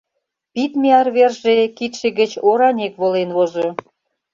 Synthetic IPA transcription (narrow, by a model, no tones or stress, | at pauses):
pit̪meɑrβerʒekit̪ʃĕɣə̆t͡ɕoɾɑnʲekβolenβozo